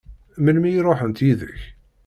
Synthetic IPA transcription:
mənmijɾˤoħənt̪jiðəç

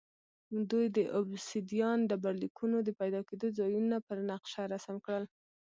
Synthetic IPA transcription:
d̪ujd̪əʔʊbsid̪ijɑnd̪əbaɾlikunod̪əpajd̪ɑked̪ozɑjunapəɾnaqʃaɾasamkɽəl

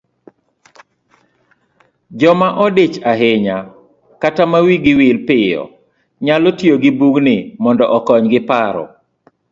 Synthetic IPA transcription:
d͡ʒɔmaʔɔdɪt͡ʃaɦɪɲa | katamawiɡɪwɪlpɪjɔ̰ | ɲalɔtjoɡɪbuɡnɪmɔndɔʔɔkɔɲɡɪpaɾɔ̰

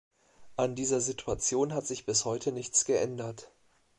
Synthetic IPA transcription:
ʔandiːzɐzitʰuat͡sjoːnɦatz̥ɪçb̥ɪshɔʏtʰənɪçt͡sɡ̥əʔɛndɐt

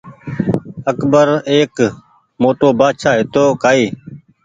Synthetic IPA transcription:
əkbəɾeːk | moːʈoːbaːʃaːɦɪt̪oːkaːiː

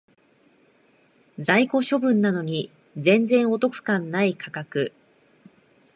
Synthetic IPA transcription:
d͡zaiko̞ɕo̞bɯ̟̃nːano̞ɲ̟i | zẽ̞nd͡zẽ̞ɰ̃o̞t̪o̞kɯ̟̥kãnːaikʰakakɯ̟

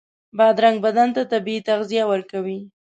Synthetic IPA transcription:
bɑd̪ɾaŋɡ̚bad̪ant̪at̪abiit̪aɣzijawəɾkawi

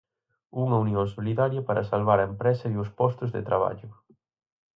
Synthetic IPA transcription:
uŋɐunjoŋsoliðaɾjɐpaɾʔɐsalβaɾɐempɾɛsɐiʊspɔst̪ʊzðɪ̰t̪ɾʔaβ̞a̰ʎʊ

